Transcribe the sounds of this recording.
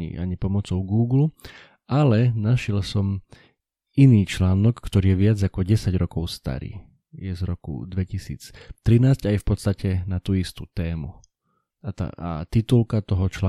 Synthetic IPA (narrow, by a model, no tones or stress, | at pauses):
ḭaɲipɔmɔt͡sɔʊɡuːɡlu | ʔalɛnaʃɪɛlsɔm | iniːt͡ʃlaːnɔkːt̪ɔɾiːjɛʋɪad͡zakɔɟɛsaɟɾɔkɔʊst̪a̰ɾḭː | jɛzɾɔkṵd̪ʋɛcisḭːt͡st̪ɾinaːzɟajfpɔt̪st̪acɛnat̪uːist̪uːt̪ɛːmu | at̪a̰ʔa̰t̪it̪ulkat̪ɔɦɔt͡ʃlaː